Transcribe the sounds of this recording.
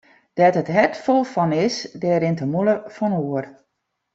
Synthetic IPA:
d̥ɛtətɦɛtfolˠfɔnɪsdɛːɾɪntəmuləfɔnuər

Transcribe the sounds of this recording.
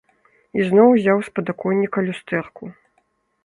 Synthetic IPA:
iznɔwzʲawspɐd̪akɔnʲːikɐlʲust̪ɛrku

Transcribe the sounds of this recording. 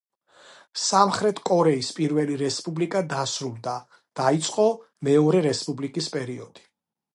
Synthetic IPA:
samχɾɛt̪ʰkʼɔɾɛispʼiɾvɛliɾɛspʼublikʼad̪asɾulˠd̪a | d̪̥ait̪sʼqʼɔ | mɛɔɾɛɾɛspʼublikʼispʼɛɾiɔd̪̥i̥

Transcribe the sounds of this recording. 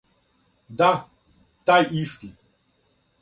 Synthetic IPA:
d̪a | t̪ajʔiʂk̪i

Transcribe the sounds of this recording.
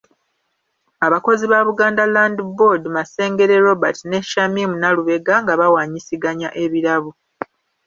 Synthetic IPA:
aβako̞ziβaβuɡaːndalaːndbodmase̞ːŋɡe̞ɾe̞ɾo̞batine̞ʃamimunaluβe̞ɡaŋɡaβawaːɲisiɡaɲaʔe̞βiɾaβu

